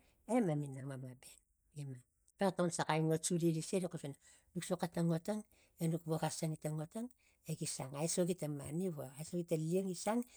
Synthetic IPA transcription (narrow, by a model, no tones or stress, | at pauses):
emaminamamabe | ima | pektawnsakajŋot͡ʃuɾiɾiseɾikosena | nuksokataŋotaŋ | enukβoɣasaŋitaŋotaŋ | eɡisaŋajsoɡitama̰niβoajsoɡitalieŋisaŋ